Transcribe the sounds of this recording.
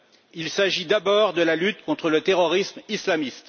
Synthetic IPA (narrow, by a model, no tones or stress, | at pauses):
ilsaʒid̪abɔːʁd̪əlalyt̪kɔ̃t̪χələt̪eʁɔʁismislamist̪